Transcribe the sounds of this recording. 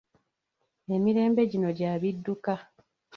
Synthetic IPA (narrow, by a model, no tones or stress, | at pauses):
e̞miɾe̞ːmbe̞ɟino̞ɟaːβidːuka